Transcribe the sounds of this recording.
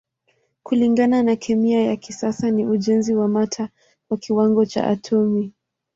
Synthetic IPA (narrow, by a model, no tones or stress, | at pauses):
kuliŋɡananakʰɛmiajakisasaniʔuʄɛnziwamatʰa | kwakiwaŋɡɔt͡ʃa̰ʔa̰tʰɔmi